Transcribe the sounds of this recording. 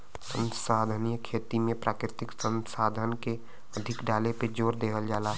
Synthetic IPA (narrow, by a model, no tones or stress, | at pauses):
sə̃nsaːd̪ʱənijəkʰeːt̪imẽpɾaːkɾɪt̪ɪksə̃nsaːd̪ʱənke | əd̪ʱɪkɖaːleped͡ʒoːɾd̪eːɦəld͡ʒaːla